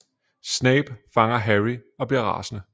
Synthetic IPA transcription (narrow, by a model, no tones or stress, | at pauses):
snɛɪb̥fɑ̈ŋɐɦæʁiɒ̽b̥liɐʁɑ̰̈ːsənə